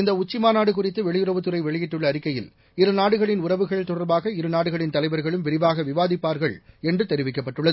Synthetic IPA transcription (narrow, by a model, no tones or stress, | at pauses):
ɪnd̪ɐʊt͡ʃːɪmaːnaːɽɯkʊrɪt̪ːɯʋɛɭɪjʊɾɐʋɯt̪ːɯrɐɪʋɛɭɪjɪʈːɯɭːɐːɾɪkːɐjɪ̰l | ɪɾɯnaːɽɯɣɐɭɪnʊɾɐʋɯɣɐɭt̪ɔɽɐɾbaːɣɐɪɾɯnaːɽɯɣɐɭɪnt̪ɐlɐɪʋɐɾɣɐɭɯmʋɪɾɪʋaːɣɐʋɪʋaːðɪpːaːɾɣɐɭɛndrɯt̪ɛɾɪʋɪk̬ːɐpːɐʈːɯɭːɐðɯ